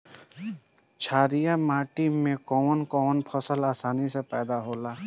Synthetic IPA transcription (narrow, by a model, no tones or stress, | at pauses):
t͡ʃʰaːɾijamaːʈimẽkɔːnkɔːnpʰəsəlaːsaːnisepɛːd̪aɦoːlaː